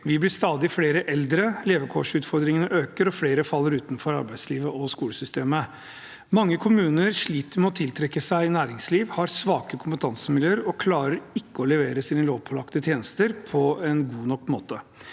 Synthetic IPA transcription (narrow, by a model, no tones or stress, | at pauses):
ʋɪblɪst̪ɑːd̪ɪfleːɾəʔɛld̪ɾəleːʋəkʰɔʂʉːt̪fɔɾd̪ɾɪŋənəʔøːkəɾɔfleːɾəfɑlːəɾʉːt̪nfɔɾɑ̰ɾbæɪsliːʋəʔɔskuːləsʏst̪eːmə | mɑŋːəkʰʊmʉːnəɾʂɭiːt̪əɾmɛɔt̪ʰɪlt̪ʰɾɛkːəsæɪnæːɾɪŋsliːʋhɑɾsʋɑːkəkʰʊmpət̪ʰɑnsəmɪljøːəɾɔkʰlɑːɾəɾɪkːəɔlɛʋeːɾəsinənloːʋpʰɔlɑkt̪ət̪ʰjeːnəst̪əɾpʰɔɛnɡuːnɔkːmoːt̪ə